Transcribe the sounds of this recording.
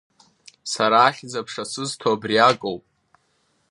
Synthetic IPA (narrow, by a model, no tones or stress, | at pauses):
saɾaːχʲd͡zapʰʂasɨztʰoabriakʼowpʼ